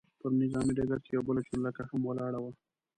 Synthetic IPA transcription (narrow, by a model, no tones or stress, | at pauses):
pəɾnɪzɑːmiɖaɡaɾt͡ʃejawbəlat͡ʃulːakahamwalɑːɽawa